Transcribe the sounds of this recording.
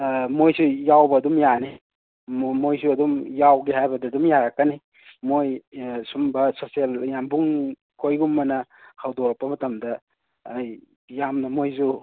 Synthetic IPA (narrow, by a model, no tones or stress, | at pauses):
mojsujawbɐːdumjani | mojsuɐdumjawɡiɦajbɐdɐdumjaɾɐkːɐni | mojsumbɐsoseljambuŋ | kʰojɡumːɐnɐhawdoɾɐk̚pːɐmɐtɐmdɐː | j | jamnɐmojzu